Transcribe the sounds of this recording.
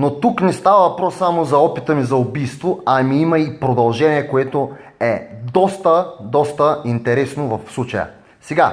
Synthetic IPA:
not̪uknɛst̪avɐvɐpɾɔsːamozɐɔpit̪əmizɐʊbijst̪voɐmiimɐipɾod̪ɐlˠʒɛniɛkoɛt̪o | ɛd̪ɔst̪əd̪ɔst̪əint̪ɛɾɛsnovɐfslˠut͡ʃəjə̰ | sɛɡa

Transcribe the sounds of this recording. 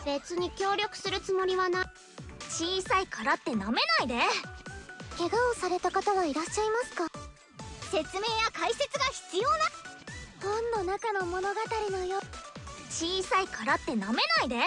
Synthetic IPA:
b̥e̞t͡sɨɲ̟ikʲo̞ːɾʲo̞kɯ̟̥sɨɾɯ̟t͡sɨmo̞ɾʲiβana | t͡ɕiːsaikʰaɾat̪ːe̞name̞naid̪e̞ | ke̞ɡaosaɾe̞t̪akat̪aɡaiɾaɕːaimasɨ̥ka | se̞t͡sɨme̞ːjakaise̞t͡sɨɡaçi̥t͡sɨjo̞ːnad̪̥õnːonakano̞mo̞no̞ɡat̪aɾʲino̞jot͡ɕiːsaikaɾat̪ːe̞name̞naid̪e̞

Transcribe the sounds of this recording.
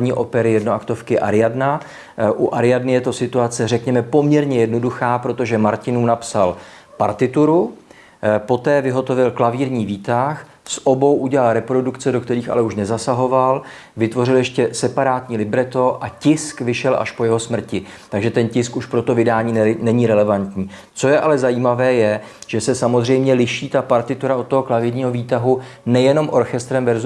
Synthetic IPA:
ɲiːʔo̞̰pɛɾɪjɛdno̞akt̪o̞fkɪʔa̰ɾɪjadna | ʔuʔaɾɪjadnɪjɛt̪o̞sɪt̪uat͡sɛrɛkɲɛmɛpo̞mɲɛɾɲɛjɛdno̞duxaːpɾo̞t̪o̞ʒɛmaɾcɪnuːnapsal | pa̰ɾt̪ɪt̪uɾu | po̞t̪ɛːvɪɦo̞t̪o̞vɪlklaviːɾɲiːviːt̪ax | sʔo̞bo̞wʔuɟɛlalɾɛpɾo̞dukt͡sɛdo̞kt̪ɛɾiːxa̰lɛuʃnɛzasaɦo̞val | vɪt̪vo̞rɪljɛʃcɛsɛpaɾaːt̪ɲiːlɪbɾɛt̪o̞ʔacɪskvɪʃɛlʔa̰ʃpo̞jɛɦo̞smr̩cɪ | t̪aɡʒɛt̪ɛncɪskuʃpɾo̞t̪o̞vɪdaːɲiːnɛɲiɾɛlɛvant̪ɲiː | t͡so̞jɛʔalɛzajiːmavɛːjɛ | ʒ̥ɛsɛsamozr̝ɛjmɲɛlɪʃiːt̪apaɾt̪ɪt̪uɾaot̪t̪ːoɦo̞klaviːɾɲiːɦo̞viːt̪aɦunɛjɛno̞mʔo̞ɾxɛst̪ɾɛmvɛɾz

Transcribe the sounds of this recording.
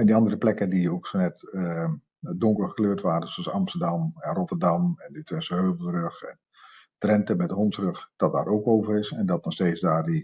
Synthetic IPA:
ɛndiɑndərəplɛkədijəowksonɛtə | dɔŋkəɹχəkløːtʋaːɾəsoɑsɑmstəɹdɑmɛnrɔtəɹdɑmɛnətɪsəɦøːvəl̩ˠrɵχɛ̰n | trɛntəmɛt̚dəɦɔntsrɵχd̥ɑt̚da̰ːɾowkowvərɪsɛndɑtnɔχstejtzdaːɹdi

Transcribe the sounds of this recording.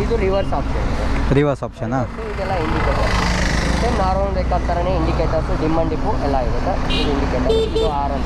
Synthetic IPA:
id̪uɾiʋɐɾsaːpʃɐnd̪ɐɾiʋɐɾsaːpʃɐnasuid̪ɛlːɐiɳɖikɐʈɐst̪enaːɾʋɐɳʋekɐt̪ɐɾɐneiɳɖikɐʈɐsud̪imːɐɳɖipːuʔɛlːaiɾɐt̪ɐid̪uiɳɖikɐʈɐid̪uaːɾɐnt̪

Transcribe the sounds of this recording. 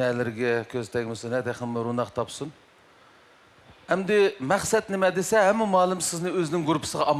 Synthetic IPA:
ɛlɪɾɪɡʲɛkʲʰøzt̪ʰɛɡʲmɪsɨnɛt̪æχəmɨɾunɑqt̪ʰɑpsun | hɛmd̪ɪmɛχsɛt̪̚nɪmɛd̪ɪsɛɦɛmːɪmɑːlˠɨmsɪznɪøzɪnɪŋɡuɾpʰɨ̥səʁɑɑm

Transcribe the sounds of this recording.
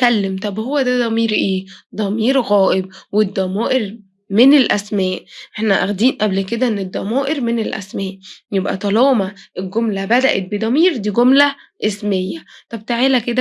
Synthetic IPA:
kælːemt̪ˤɑbhowːæd̪æd̪ˤɑmiːɾʔeːd̪ˤɑmiːɾɣæːʔeb̚wed̪ːɑmæːʔeɾ | menelʔæsmæːʔʔeħnæʔæ̰ɣd̪iːnʔæblked̪æʔenːed̪ˤːɑmæːʔeɾmenelʔæ̰smæːʔjebʔæ̰t̪ˤɑlɑːmæʔelɡomlæbæd̪æʔḛt̪̚bed̪ˤɑmiːɾd̪iːɡomlæ | ʔesmejːæt̪ˤɑbt̪eʕeːlæked̪æ

